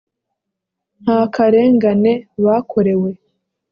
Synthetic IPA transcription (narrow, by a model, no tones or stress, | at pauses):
n̥haːkaɾe̞ːŋɡane̞βaːkʰo̞ɾe̞we̞